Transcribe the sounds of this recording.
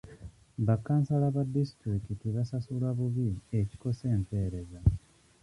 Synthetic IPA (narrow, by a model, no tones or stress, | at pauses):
βakːaːnsalaβadistɾikitiβasasulaβuβieci̥ko̞se̞ːmpe̞ːɾe̞za